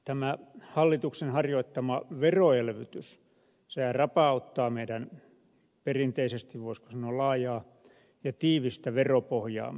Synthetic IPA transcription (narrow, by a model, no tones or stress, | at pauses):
t̪æmæhɑlːit̪uksenhɑrjoit̪ːɑmɑʋeroelʋyt̪ys | seærɑpɑˑut̪ːɑːmeidæn | perint̪eisest̪iʋʋoisko̥sɑnolɑːjɑː | jɑt̪iːʋist̪æʋeropohjɑ̰ː